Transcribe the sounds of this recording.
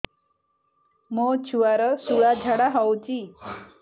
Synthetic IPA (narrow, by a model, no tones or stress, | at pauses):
mot͡ɕʰuʋaɾəsuɭad͡ʑʱaɽaɦawt͡ɕi